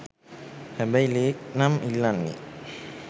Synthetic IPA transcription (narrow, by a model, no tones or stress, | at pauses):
hɛbɛjleknamilːanḭ